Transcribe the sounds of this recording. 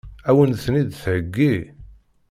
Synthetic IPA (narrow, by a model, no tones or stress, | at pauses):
æwənθnid̪θʕəɡːi